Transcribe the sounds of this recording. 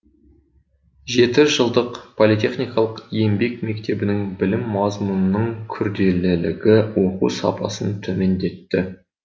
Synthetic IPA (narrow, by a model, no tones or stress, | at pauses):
ʒe̞t̪ɪʒəlˠd̪əqpʰolˠit̪e̞χnijkɑlˠəqje̞mbe̞kme̞k̚t̪e̞bɪnɪŋbɪlɪmːɑzmunənəɴkʲʰʏɾd̪e̞lɪlɪɡʲɪwo̞qṵsɑ̰pʰɑ̰sənt̪ʰɵme̞nd̪e̞t̪ːɪ